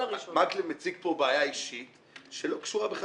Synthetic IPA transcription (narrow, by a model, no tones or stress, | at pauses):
ʃmaklemet͡sikpo̞beajaiʃit̪ | ʃelo̞kʃuʁabeχ